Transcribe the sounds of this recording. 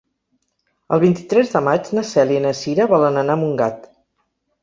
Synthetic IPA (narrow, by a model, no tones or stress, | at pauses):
ə̰lˠβint̪i̥t̪ɾɛzðəmad͡ʒnəsɛliinəsiɾəβɔlənənamuŋɡat̪